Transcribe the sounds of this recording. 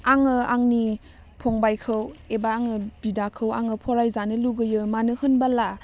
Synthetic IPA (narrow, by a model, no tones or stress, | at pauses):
aŋɯaŋni | pʰoŋbajkʰɯwebaːŋɯbidakʰɯwaŋɯpʰɔɾajzanɯluɡɯjɯmanɯhɯnbala